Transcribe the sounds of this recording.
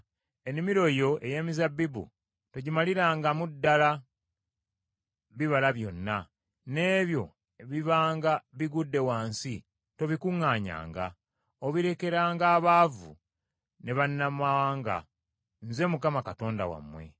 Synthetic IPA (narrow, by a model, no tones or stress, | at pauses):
e̞nimiɾo̞jo̞ejeːmizabːibṵ | toɟimaliɾaːŋɡamudːala | βiβalaβjo̞nːa | ne̞ːβjo̞̰ | eβiβaːŋɡaβiɡudːe̞waːnsi | to̞βikuŋːaːɲa̰ːŋɡa̰ | oβiɾe̞ke̞ɾaːŋɡaːβaːvṵ | ne̞βanːamaaːŋɡa̰ | nze̞mukamakato̞ːnda̰wa̰mwe̞̰